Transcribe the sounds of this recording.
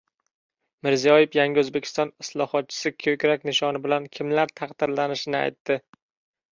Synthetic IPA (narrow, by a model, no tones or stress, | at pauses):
mɪɾzijɒjɪfjaŋɡʲɪɵzbekʲʰɪ̥st̪ɒnɪslˠɒhɒt̪̚t͡ʃʰɪ̥sɪkʲʰɵkʲɾakʲnɪʃɒnɪbɪlankʲʰɪmlaɾt̪ʰɑqd̪̥ɪɾlanɪʃɪnɪa̰jt̪ːɪ